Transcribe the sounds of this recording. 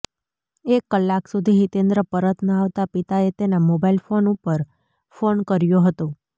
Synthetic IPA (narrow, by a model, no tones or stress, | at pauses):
ekːəlːaksud̪ʱiɦit̪end̪ɾəpəɾət̪nəaʋt̪apit̪aet̪enamobailfonupəɾ | fonkəɾjoɦət̪o